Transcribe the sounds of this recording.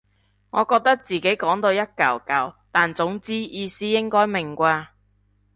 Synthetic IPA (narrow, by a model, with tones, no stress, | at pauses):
ŋɔː˨˧kɔː˧k̚t̪ɐ˥k̚t͡siː˨˩ke˨˥jkɔː˨˥ŋt̪o˧wjɐ˥t̚kɐ˨˩wkɐ˨˩wt̪aː˨nt͡sʊ˨˥ŋt͡siː˥jiː˧siː˥jɪ˥ŋkɔː˥jmɪ˨˩ŋkʷaː˧